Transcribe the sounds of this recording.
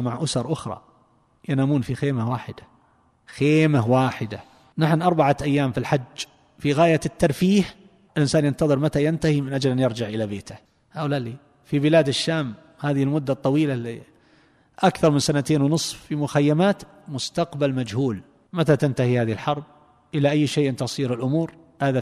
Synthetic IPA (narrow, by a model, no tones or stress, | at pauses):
maʕʔʊsɑɾˤʔʊxɾˤɑ̰ | janaːmuːnfixeːmawaːħɪd̪ḁ | xeːmahwaːħɪd̪a | naħnʔɑɾˤbaʕaʔajːaːmfilħad͡ʒː | fiɣaːjat̪ːɑɾˤfiːh | ɪlʔɪnsaːnjant̪ɑðˤɨɾmat̪ajant̪ahimɪnʔad͡ʒlʔanjɑɾˤd͡ʒɪʕʔɪlabeːt̪a | ʔawlaliː | fibɪlaːd̪ɪʃːaːm | haːðɪhɪlmʊd̪ːat̪ˤːɑwiːlali | ʔakθɑɾˤmɪnsanat̪eːnwnɨsˤffimʊxajːamaːt̪ | mʊst̪aqbalmad͡ʒhuːl | mat̪at̪ant̪ahihaːðihɪlħɑɾˤb̚ | ʔɪlaʔajːʃeːʔɪnt̪ɑsˤiːɾɪlʔʊmuːɾ | haːða